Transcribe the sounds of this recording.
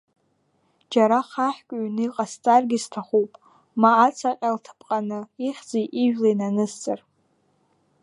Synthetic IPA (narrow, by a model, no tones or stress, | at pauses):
d͡ʒaɾaχaħkʲʷʼɥnɨiqʼast͡sʼarɡʲiztʰaχupʼ | maːt͡sʰaqʲʼaltʰpʼqʼanɨiχʲd͡zejʔiʒᶣlajnanɨst͡sʼar